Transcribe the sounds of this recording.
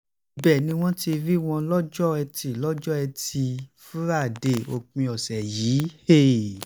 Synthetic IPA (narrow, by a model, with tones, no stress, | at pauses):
bɛ˦˨nĩ˨˧˦w̃ɔ̃˦ti˧ɾi˦w̃ɔ̃˧lɔ˦d͡ʒɔ˦ɛ˧ti˧˨lɔ˦d͡ʒɔ˦ɛ˧ti˧fũ˦ɾa˦˨de˨o˧k͡pĩ˧ɔ˨sɛ˨jiː˨˦he˦˨